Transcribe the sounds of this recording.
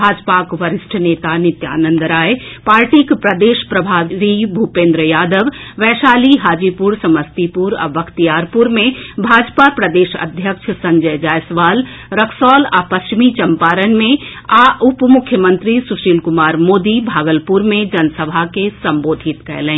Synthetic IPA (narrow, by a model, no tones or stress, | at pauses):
bʱaːd͡ʒpakʋəɾɪsʈʰəneːt̪anɪt̪ja̰ːnə̃nd̪ɾaːepaːɾʈikpɾəd̪eːʃpɾəbʱaːʋibʱupẽːnd̪ɾəjaːd̪əʋʋɛːʃaːliɦaːd͡ʒipuɾsɐməst̪ipuɾɐ̰bəkt̪ijaːɾpuɾmẽbʱaːd͡ʒpapɾəd̪eːʃə̰d̪ʱjəkʃʰsɐ̃ɲd͡ʒəjd͡ʒaːjsʋaːl | ɾəkʰsɔːla̰pɐst͡ʃimit͡ʃɐmpaːɾənmẽaʔʊpmʊkʰjəmə̃nt̪ɾisʊʃiːlkʊmaːɾmoːd̪ibʱaːɡəlpuɾmẽd͡ʒɐnsəbʱakesɐ̃mboːd̪ʱɪt̪kɛ̰ɾlẽː